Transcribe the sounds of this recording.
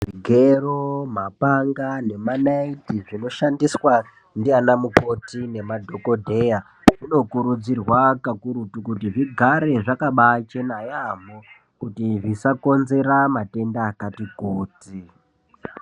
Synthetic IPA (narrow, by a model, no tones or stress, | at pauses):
ʐiɡʱeromapaŋɡane̞manaitiʐino̞ʃandiswa | ndianamupo̞tine̞madʱo̞ko̞dʱe̞ja | ʐino̞kuɾud͡zirwakakuɾutukutiʐiɡʱaɾe̞ʐakaɓat͡ʃenajamo | kutiʐisako̞nze̞ɾamate̞ndaːkatikuːti